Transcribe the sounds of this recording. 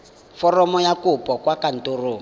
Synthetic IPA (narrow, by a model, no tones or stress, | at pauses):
fɔrɔmɔjakʊpʼɔkwakan̩toroː